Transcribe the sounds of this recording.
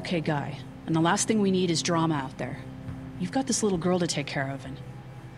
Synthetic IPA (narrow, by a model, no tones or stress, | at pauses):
ʊkʰeɪɡaɪ | ɨ̃nðəlæst̪θɪ̃ŋwiniɾɨzdɹɑməaʊt̪̚ðə̰˞ | jʉvɡɑt̪̚ðɪslɪɾl̩ˠɡɜ˞lˠtɨtʰeɪkʰːɛɹʌvɨ̃n